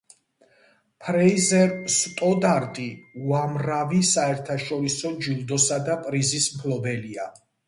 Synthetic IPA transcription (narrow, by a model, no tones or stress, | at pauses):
pʰɾɛizɛɾst̪ʼɔd̪aɾt̪ʼiuamɾavisaɛɾt̪ʰaʃɔɾisɔd͡ʒulˠd̪ɔsad̪apʼɾizismkʰlɔbɛlia